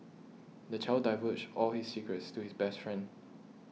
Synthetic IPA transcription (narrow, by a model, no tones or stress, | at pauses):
dət͡ʃʰaɪldaɪvəsɔlhissikɹətstuhisbɛstfɹɛ̃nd